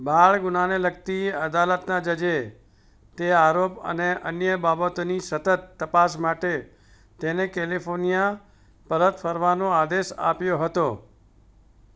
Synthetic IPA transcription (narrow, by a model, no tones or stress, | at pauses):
bʱaɭɡʊnaneləɡt̪ieəd̪alət̪nad͡ʒəd͡ʒe | t̪eaɾopə̰neʔənjəbabət̪onisət̪ət̪ːəpas̬maʈe | t̪enekelifoɾnija | pəɾət̪fʰəɾʋanõad̪eʃa̰pjoɦət̪o